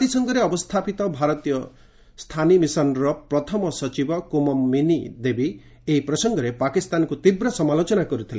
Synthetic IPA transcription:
t̪isɔŋɡɔɾeɔbɔst̪ʰapit̪ɔbʱaɾɔt̪ijɔ | st̪ʰanimisɔnɾɔpɾɔt̪ʰɔmɔsɔt͡ʃibɔkumɔmːinid̪ebi | eipɾɔsɔŋɡɔɾepakist̪ankut̪ibɾɔsɔmalot͡ʃɔnakɔɾut̪ʰile

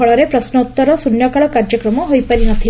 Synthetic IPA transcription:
ɔɭɔɾepɾɔsnɔut̪ːɔɾɔsunjɔkaɭɔkaɾd͡ʒjɔkɾɔmɔɦojpaɾinɔt̪ʰi

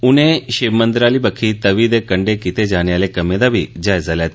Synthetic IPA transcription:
ʊnẽʃeʋmə̃nd̪ɾaːlibəkʰit̪ɐʋid̪ekəɳɖekit̪ed͡ʒaːneaːlekɐmẽd̪abʱid͡ʒaːjzalɛːt̪

